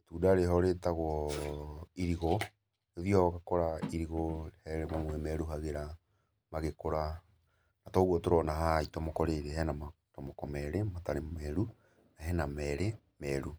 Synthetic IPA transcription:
tuːdaɾeɦɔɾetaɣɔ | iɾiɣɔ | eðjɔɣakɔɾaiɾiɣɔhɛɾemamwɛmɛɾuɦaɣeɾa | maɣekoɾa | natɔɣɔtoɾɔnaɦaitɔmokɔɾeɾehɛnama | tɔmɔkɔmɛɾemataɾemɛɾu | naɦɛnamɛɾe | mɛɾu

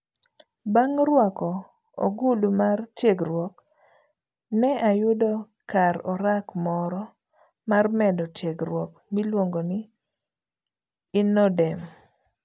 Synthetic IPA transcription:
baŋɾwakɔ | o̰ɡulumartjeɡɾwɔk | nɛʔajʊdɔ | kaɾɔɾakmɔɾɔ | marmɛdɔtjeɡɾwɔkmilwoŋɡonɪ | nɔdɛm

